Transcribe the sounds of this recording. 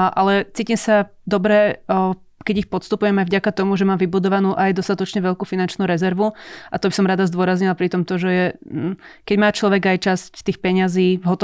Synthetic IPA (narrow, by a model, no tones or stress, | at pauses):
ʔalɛt͡siːciːmsa | d̪ɔbɾɛ | kɛɟixpɔt̪st̪upujɛmajvɟakat̪ɔmuʒɛmaːmʋibud̪ɔʋanuːʔajd̪ɔst̪at̪ɔt͡ʃɲɛʋɛʎkuːfinant͡ʃnuːɾɛzɛɾʋuʔat̪ɔbisɔmɾad̪azd̪ʊɔɾazɲilapɾit̪ɔmt̪ɔʒɛjɛ | kɛɟmaːt͡ʃlɔʋɛɡajt͡ʃasct̪iːxpɛɲaziːvɦɔt̪ɔ